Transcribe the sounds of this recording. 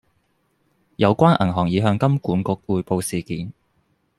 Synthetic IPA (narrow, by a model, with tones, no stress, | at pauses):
jɐ˨˧wkʷaː˥nʔɐ̰˨˩nɦɔː˨˩ŋjiː˨˧ɦœː˧ŋkɐ˥mkuː˨˥nkʊ˨˧k̚uː˨˧jpo˧wsiː˨˩kiː˨˦˥n